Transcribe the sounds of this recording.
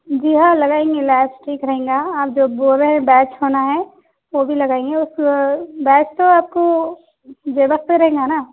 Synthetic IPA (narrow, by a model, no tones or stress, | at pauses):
d͡ʒiːɦãlɐɡaːẽːŋɡelɛːpsʈʰiːkɾɐɦẽːŋɡaaːp̚d͡ʒoːboːɾeɦɛ̃bɛːt͡ʃɦoːnaɦɛ | ʋobʱilɐɡaːẽːŋɡeʊsbɛːt͡ʃt̪oaːp̚ko | d͡ʒeːbəkteɾɐɦẽːŋɡanaː